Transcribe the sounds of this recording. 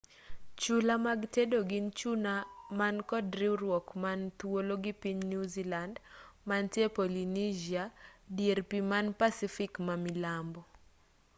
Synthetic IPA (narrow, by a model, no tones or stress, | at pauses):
t͡ʃulamaɡtedoɡint͡ʃunamankɔdɾiuɾwɔkmant̪woloɡipiɲnuzilandmantjepolinid͡ʒiadjeɾpimanpasifikmamilambɔ